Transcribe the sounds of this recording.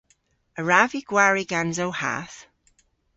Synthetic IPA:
əɹaviɡ̥waɹiɡ̥anzowha̰θ

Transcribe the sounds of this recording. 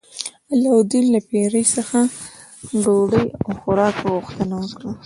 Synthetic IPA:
alawd̪ilːapeɾəjsəxa | ɖoɽəjawxʊɾɑkɣʊxt̪ənawəkɽa

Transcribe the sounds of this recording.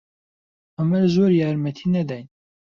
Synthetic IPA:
ɐmɛlzoːɾjɑːɾmɛt̪ʰiːnɛd̪ɛjn

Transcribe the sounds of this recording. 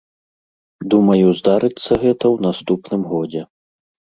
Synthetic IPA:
d̪umɐjuzd̪aɾɨt̪sːɐɣɛt̪ɐwnast̪upnɨmɣɔd͡zʲɛ

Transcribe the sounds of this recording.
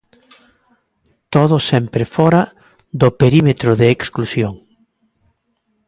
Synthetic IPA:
t̪oðʊsɛmpɾefɔɾa | ðopeɾimet̪ɾʊðeːksklusjoŋ

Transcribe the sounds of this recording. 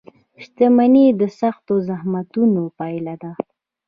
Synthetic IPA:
ʃt̪amanid̪əsaxt̪ozahmat̪unopɑjlad̪a

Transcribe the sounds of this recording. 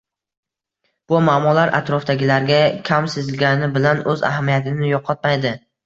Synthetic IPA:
b̥ʊmaːmɒlaɾʔa̰t̪ɾɒfd̪aɡʲɪlaɾɡʲakʲʰamsɪzɪlɡʲanɪbɪlanɵza̰hamijat̪ʰɪnɪjɒqʰɒt̪̚majd̪ɪ

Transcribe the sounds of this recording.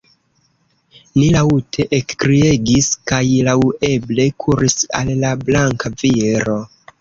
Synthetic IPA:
nilautʰe̞ʔekkɾie̞ɡiskajlawe̞ble̞kʰuɾisa̰lːablaŋkaviɾo̞

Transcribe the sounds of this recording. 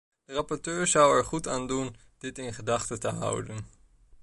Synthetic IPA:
d̥ərɑpɔɹtøːɹzʌwɛɹχutaːndund̥ɪtɪnχədɑχtətəɦʌ̰wdən

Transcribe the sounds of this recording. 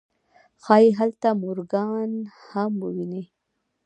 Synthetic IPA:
xɑjiɦalt̪amʊɾɡɑnhamwəwine

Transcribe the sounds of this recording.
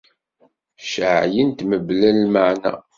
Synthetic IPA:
ʃəʕjənt̪məblælməʕnæ̰

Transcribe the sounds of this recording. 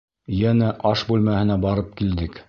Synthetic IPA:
jænæʔɑʃbʉlmæhɘ̆næbɑɾɤp̚kild̪ɘk

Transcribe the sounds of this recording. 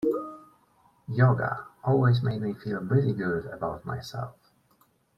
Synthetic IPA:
jɔɡə̰ʔɔlˠwizmeɪd̚mifilˠɹɪɾiɡʊɾəbaʊtma̰ɪsɛ̰lˠf

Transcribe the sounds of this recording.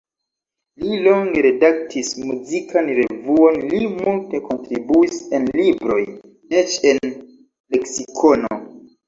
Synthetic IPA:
lilo̞ŋɡeɾe̞dak̚tʰismuzikʰanɾe̞vuo̞nlimulte̞ko̞ntɾibuise̞nlibɾo̞̰j | e̞t͡ʃe̞n | le̞ksikʰo̞no̰

